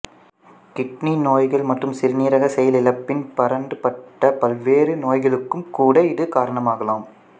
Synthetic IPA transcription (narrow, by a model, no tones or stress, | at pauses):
kɪʈninoːjɣɐɭmɐʈrɯmsɪɾniːɾɐɣɐsɛjɐlɪlɐpːɪnpɐɾɐɳɖɯpɐʈːɐpɐlʋeːɾɯnoːjɣɐɭɯkːɯmkuːɽɐɪðɯkaːɾɐɳɐmaːɣɐlaːm